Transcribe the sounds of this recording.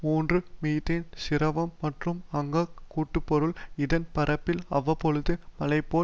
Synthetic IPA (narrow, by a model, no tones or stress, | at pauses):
muːndrɯmiːʈːɪnsɪɾɐʋɐmːɐʈrɯmɐŋɡɐkuːʈːɯpːɔɾɯlɪðɐnpɐɾɐpːɪlɐʋːɐpːɔɻɯðɯmɐlɐɪpːoː